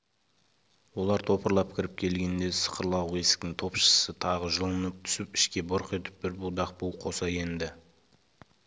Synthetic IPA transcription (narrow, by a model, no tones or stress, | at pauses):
wo̞lˠɑɾt̪ʰo̞pəɾlˠɑp̚kʲʰɪɾɪp̚kʲʰe̞lɡʲe̞nd̪e̞sə̥qəɾlˠɑwe̞sɪ̥k̚t̪ɪŋt̪ʰo̞pʃə̥sət̪ʰɑʁəʒolˠənəp̚t̪ʰʏ̥sɪpɪʃkʲe̞bʊɾqe̞t̪ɪ̥p̚bɪɾbud̪ɑq̚puwqʰo̞sɑje̞nd̪ɪ